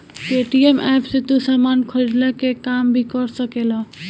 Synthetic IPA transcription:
keʈiemʔɛpʰset̪usamankʰəɾid̪lɛkekambʱikɔɾsəkela

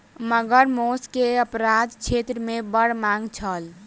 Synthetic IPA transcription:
məɡəɾmoskeəpɾad̪t͡ʃʰet̪ɾəmebəɽ̤maŋɡt͡ʃʰəl

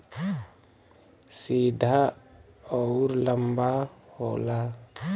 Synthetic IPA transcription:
siːd̪ʱa | ɔʊɾləmbahoːla

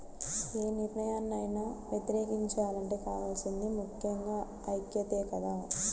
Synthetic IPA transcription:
eːniɾnɐjaːnɐjnaːʋjet̪iɾeːkiɲt͡ʃɐaːlɐɳʈe̞ːkaːʋaːlsind̪imukʰjɐŋɡaː | ɐjt̪jɐt̪eːkɐd̪aː

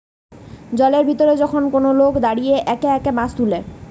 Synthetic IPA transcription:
d͡ʑɔleɾbʱit̪oɾed͡ʑɔkʰonkonolokd̪aɽieʔɛkeɛkemast̪ule

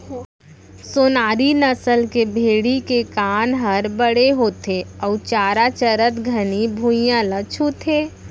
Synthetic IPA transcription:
soːnaːɾinɐsəlkebʱeːɽikekaːnɦɐɾbəɽ̤eɦoːt̪ʰeɔːt͡ʃaːɾat͡ʃəɾət̪ɡʱənibʱuːjãlət͡ʃʰot̪ʰeː

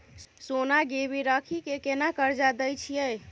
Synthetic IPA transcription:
sonaɡeβiɾəkʰikekenakəɾd͡ʒad̪əjt͡ʃʰijəj

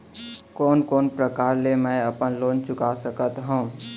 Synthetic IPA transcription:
koːnkoːnpɾəkaːɾlemɛ̃əpənloːnt͡ʃʊkasəkət̪ɦũː

